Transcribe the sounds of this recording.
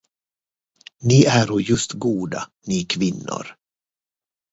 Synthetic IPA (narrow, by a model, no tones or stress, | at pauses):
nɪʔæɾɔjɵst̪ɡuːd̪anikʰvɪnːʊ̰ɾ